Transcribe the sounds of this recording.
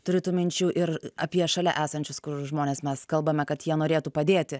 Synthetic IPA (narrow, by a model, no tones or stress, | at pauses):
t̪ʊɾʲɪt̪uːmʲɪnʲt͡ʃʲuːʔɪɾɐ̰pʲiɛʃɐlʲɛ̰ʔæːsɐnʲt͡ʃʲʊskʊrʒmoːnʲeːsmʲɛskɐlˠbɐmʲɛkɐt̪jiɛnoːɾʲeːt̪uːpɐd̪ʲeːtʲɪ